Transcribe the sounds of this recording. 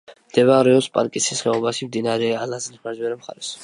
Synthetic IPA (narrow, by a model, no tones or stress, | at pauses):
md̪̥ɛvaɾɛɔspʼa̰ɾkʼisisχɛɔbaʃimd̪inaɾɛalazniχmad͡ʒwɛɾɛmχa̰ɾɛs